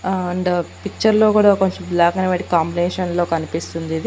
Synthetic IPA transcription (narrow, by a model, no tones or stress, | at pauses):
ɐnɐpikt͡ʃːɐɾlo̞ːkuːɽakoɲt͡ʃemblaːkɐnɐʋɐʈikaːmbineːʂɐnlo̞ːkɐnipist̪und̪id̪i